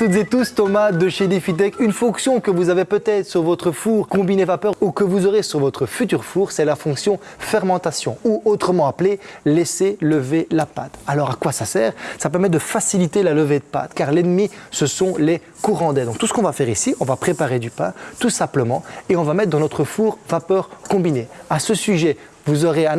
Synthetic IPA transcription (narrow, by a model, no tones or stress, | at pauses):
t̪ut̪zet̪ust̪ɔmad̪əʃelifit̪ɛkynfɔ̃ksjɔ̃kəvuzavepøt̪ɛt̪χəsyʁvɔt̪χəfuːʁkɔ̃binevapœʁukəvuzɔʁesyʁvɔt̪χəfyt̪yʁfuːʁsɛlafɔ̃ksjɔ̃ | fɛʁmɑ̃t̪asjɔ̰̃uot̪χəmɑ̃aplelɛseləvelapat̪alɔʁakwasasɛːʁsapɛʁmɛd̪əfasilit̪elaləved̪əpa̰t̪kaʁlɛnəmisəsɔ̃lɛ | kuʁɑ̃d̪ɛd̪ɔ̃kt̪usə̥kɔ̃vafɛʁisiʔɔ̃vapχepaʁed̪ypɛ̰̃t̪usɛ̃pləmɑ̃eɔ̃vamɛt̪χ̚d̪ɑ̃nɔt̪χəfuːʁvapœʁkɔ̃bineasəsyʒɛ | vuzɔʁeɛ̃